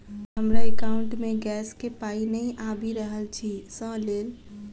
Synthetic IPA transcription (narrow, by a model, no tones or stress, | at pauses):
ɦəmɾaekaʊɳʈmeɡɛskepainəiʔabiɾəɦəlt͡ʃʰisə̃lel